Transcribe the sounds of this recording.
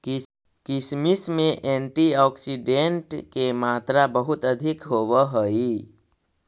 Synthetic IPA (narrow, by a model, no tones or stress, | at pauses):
kɪsmismẽʔẽːɳʈiɔːksiɖẽɳʈkemaːt̪ɾabəɦʊt̪əd̪ʱɪkɦoːwaɦoi